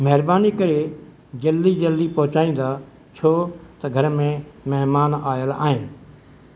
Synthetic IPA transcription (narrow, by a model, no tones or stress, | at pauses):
mɛɦɪɾbaːnikəɾe | d͡ʒəlːiːd͡ʒəlːiːpɔɦʊt͡ʃaːĩːnd̪aː | t͡ʃʰoːt̪ɐɡʱəɾmẽməɦmaːnaːjəla̰ːɦɪnɪ